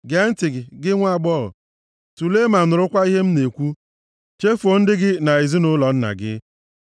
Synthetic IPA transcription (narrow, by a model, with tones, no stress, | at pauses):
ɡe˦n̩˦tɪ˨ɡɪ˨ɡɪ˦ŋʷa˦˨ɡ͡bɔ˦ɾʊ̰˨ | tu˨le˦ma˨nʊ˨ɾʊ˦kʷa˦i˦ɦe˦m̩˦ne˨kʷu˦ | t͡ʃe˦fo˨n̩˦dɪ˦ɡɪ˦na˨ɪ˨zi˦nʊ˦lɔ˨n̩˦na̰˨ɡɪ̰˦